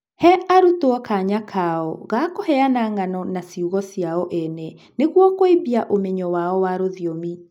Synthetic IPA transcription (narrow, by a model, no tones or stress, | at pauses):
hɛʔaɾutwɔkaɲakʰaɔɣakohɛanaŋanɔnasiuɣɔsjaɔʔɛnɛ | neɣwɔkoebiaʔomɛɲɔwaɔwaɾoðiomi